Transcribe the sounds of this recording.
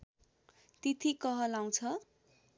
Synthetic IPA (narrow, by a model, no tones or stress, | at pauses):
t̪it̪ʰikʌɦʌlaw̃t͡sʰʌ